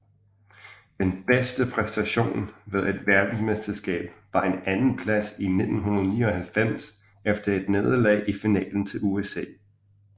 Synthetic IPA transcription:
d̥enb̥esd̥əpʰʁɛsd̥æɕo̝̰ːnʋe̝ð̞ˠe̝d̥ʋæɐd̥n̩smesd̥ɐsɡ̥ɛ̰ːb̥ʋɑ̈e̝nænn̩pʰlæsine̝d̥n̩ɦunɐð̞ˠniːɒ̽hælfem̰s | efd̥ɐe̝d̥ne̝ːð̞ˠlɛ̰ːɪʔifinɛ̰ːln̩t͡sʰe̝luesɛ̰ː

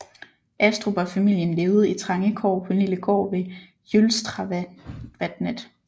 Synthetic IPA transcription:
ʔæsd̥ʁuʋɑ̈fæmil̰jənle̝ːʊð̞̩ˠit͡sʰʁɑ̈ŋəkʰɒ̰ːpʰɒ̽niləkʰɒ̰ːʋe̝ | jølsd̥ʁɑ | ʋæd̥ned̥

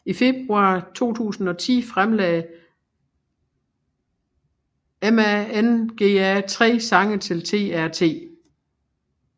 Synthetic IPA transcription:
ife̝b̥ʁuɑ̰̈ːt͡sʰo̝̰ːt͡sʰṵːsn̩ɒ̽t͡sʰḭːfʁamlɛːɪ | emæenɡ̥e̝̰ːæt͡sʰʁɛ̰ːsɑ̈ŋət͡sʰe̝lt͡sʰe̝̰ːæɐ̰t͡sʰe̝̰ː

